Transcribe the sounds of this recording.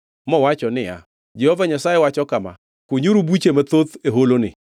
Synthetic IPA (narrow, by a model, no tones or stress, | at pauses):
mɔwat͡ʃɔnɪa̰ | d͡ʒehovaɲasajewat͡ʃɔkama̰ | kʊɲuɾubut͡ʃemat̪ot̪eɦolonɪ